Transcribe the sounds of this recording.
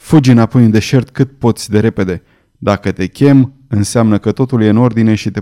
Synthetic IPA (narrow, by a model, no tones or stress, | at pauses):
fud͡ʒɨnapo̞jɨnd̪e̞ʃe̞rt̪kɨt̪̚po̞t̪sʲd̪e̞ɾe̞pe̞d̪e̞ | d̪akət̪e̞kʲe̞m | ɨnseamnəkət̪o̞t̪ulje̞ɨno̞rd̪ine̞ʃit̪e̞